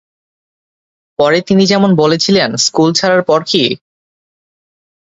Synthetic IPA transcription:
pɔɾet̪inid͡ʑɛmonbolet͡ɕʰilenskult͡ɕʰaɾaɾpɔɾki

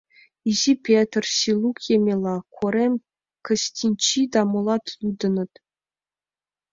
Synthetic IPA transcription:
izipʲet̪rsilˠukjemʲelˠɑkʰoɾʲemʲ | kɤ̆ɕʲtʲinʲt͡ɕid̪ɑmŏlˠɑt̪jud̪ɤ̆nɤ̆t̪

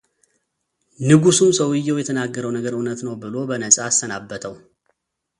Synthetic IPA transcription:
nɨɡusumsəwɪjːɛwjɛt̪ʰənaɡːəɾəwnəɡəɾənət̪nəwbɨlo̞bənəsʼaːst̪ənabːət̪ʰəw

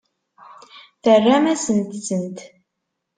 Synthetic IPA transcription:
θərːæmæsənt̪sənt̪

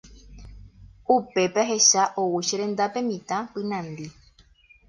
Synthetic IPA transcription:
upe̞paɦe̞ʃaʔowuʃeɾẽ̞nd̪apẽ̞mĩt̪ãpɨnãnd̪i

